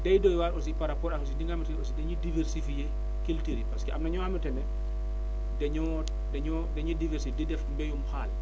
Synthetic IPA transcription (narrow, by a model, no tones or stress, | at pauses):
dɛjdɔjwaɾʔos̬ipaɾapɔːɾaksidiŋɡamitɛnosidɛɲudivɛɾsifije | kiltiɾipaskɛʔa̰mnaɲɔamitɛnɛ | dɛɲɔ | dɛɲɔ | dɛɲudivɛɾsifdidɛfmbɛjumxaːl